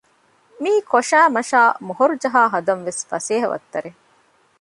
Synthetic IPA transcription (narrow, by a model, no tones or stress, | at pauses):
miːkoʃæːmɐʃaːmoɦoɾud͡ʒɐɦaːɦɐd̪ɐnʋesfɐseːɦɐʋɐ̰t̪ːɐɾe